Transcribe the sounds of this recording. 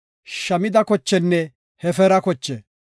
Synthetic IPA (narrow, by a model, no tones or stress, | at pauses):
ʃɐmɪd̪ɐkɔt͡ʃːɛnːɛ | hɛfɛɾɐkɔt͡ʃːɛ